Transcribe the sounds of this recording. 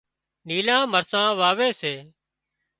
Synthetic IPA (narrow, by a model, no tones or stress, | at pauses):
niːlãːməɾsãːʋaːʋeːseː